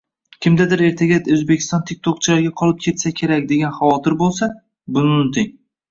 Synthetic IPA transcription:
kʲʰɪmd̪ad̪ɪɾe̞ɾt̪ʰaɡʲad̪ɵzbekʲʰɪ̥st̪ɒnt̪ʰek̚ʲt̪ʰɒq̚t͡ʃʰɪlaɾɡʲaqʰɒlɪp̚kʲʰe̞t̪sakʲʰe̞ɾak̚ʲd̪e̞ɡʲanχavɒt̪ʰɪɾbolˠsa | bʊnɪnɪt̪ʰɪŋ

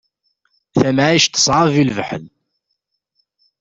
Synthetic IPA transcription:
θæmaʕiʃt̪ə̥sˤʕəvilvəħə̰l

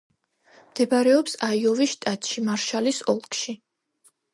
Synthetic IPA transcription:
md̪ɛbɾɛɔpsaiɔviʃt̪ʼat̪ʼʃimaɾʃalisɔlˠkʼʰʃi

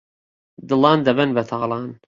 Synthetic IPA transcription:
d̪ɨlˠɑːnd̪ɐbɛnbɐt̪ʰɑːlˠɑːn

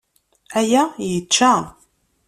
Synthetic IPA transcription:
æjæjət͡ʃːæ

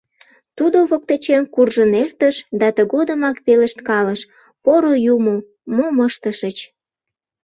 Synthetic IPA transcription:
t̪ud̪oβok̚t̪ət͡ɕemkurʒənert̪əʃd̪ɑt̪əɣod̪ə̆mɑkpeləʃt̪kɑləʃ | poɾojumo | moməʃt̪əʃət͡ɕ

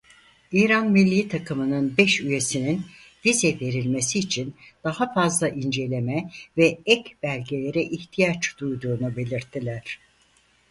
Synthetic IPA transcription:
iːɾanmilʲːiːt̪ʰakʰɯmɯnɯnbɛʃyje̞sinin | vizɛve̞ɾilʲme̞siːt͡ʃʰind̪̥ahafazlˠaʔind͡ʒe̞lʲe̞mɛvɛɛcb̥ælʲɟe̞lʲe̞ɾɛʔiçt̪ʰijat͡ʃd̪̥ujd̪uːnube̞lʲiɾt̪ʰːilʲæɾ̥

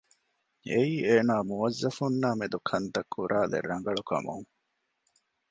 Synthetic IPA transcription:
eiːeːnaːmuʋɐzːɐfunːaːmed̪ukʰɐnt̪ɐkːuɾʔaːlḛɾːɐŋɡɐɭukɐ̰mṵŋ

